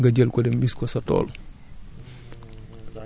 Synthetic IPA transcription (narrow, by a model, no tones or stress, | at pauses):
ŋɡɐɟɛlkɔdɛmbiskɔsɐtɔ̰ːl